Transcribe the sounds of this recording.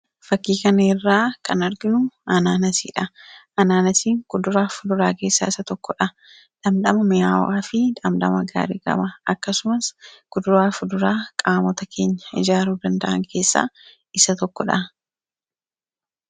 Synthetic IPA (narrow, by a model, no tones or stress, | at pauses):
fɐkːiːkɐnɐɪrːaːkɐnɐɾɡɪnʊɐnaːnɐsiːᶑɐ | ɐnaːnɐsiːŋkʊd̪ʊɾaːfʊd̪ʊɾaːke̞ːsːa̰ːɪsɐt̪ɔkːɔᶑɐ | ᶑɐmd̪ɐmɐmɪjaːwaːfɪᶑ̪ɐmᶑ̪ɐ̰mɐɡa̰ːɾiɡɐ̰mɐɐkːɐsʊmɐskʊd̪ʊɾaːfʊd̪ʊɾaːkʼaːmɔt̪ɐkʰe̞ːɲːɐ̥ɪd͡ʒaːɾuːd̪ɐnd̪ɐʔɐ̰ŋke̞ːsːa̰ː | ɪsɐt̪ɔkːɔᶑɐ